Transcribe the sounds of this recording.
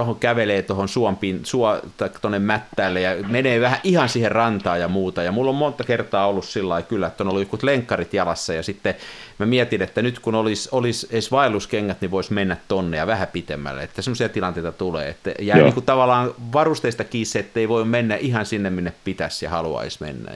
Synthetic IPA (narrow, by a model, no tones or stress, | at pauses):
ohokæʋeleːt̪ohonsuɔmpiːnsuɔt̪ɑikːɑ̥t̪onːemmæt̪ːæːlːejɑmeneːʋæhæʔʔihɑnsiːherrɑnt̪ɑːjjɑmuːt̪ɑjɑmulːommont̪ɑkert̪ɑːolːussilːɑikylːæet̪ːonolːujokːut̪leŋkːɑrit̪jɑlɑsːɑjɑsit̪ːemæmiɛt̪inet̪ːænyt̪kunolisoliseisʋɑilːuskeŋːæt̪niʋoismenːæt̪t̪onːejɑʋæhæpit̪emːæ̰lːḛḛt̪ːæsemːˑosiɑt̪ilɑnt̪eit̪ɑt̪ulḛːḛt̪ːæjæːniːŋkut̪ɑʋɑlˑɑːnʋɑrust̪eist̪ɑkiːseet̪ːeiʋoimmenːæʔihɑnsinːeminːeppit̪æsjɑ̰hɑluɑ̰ismḛnːæ̰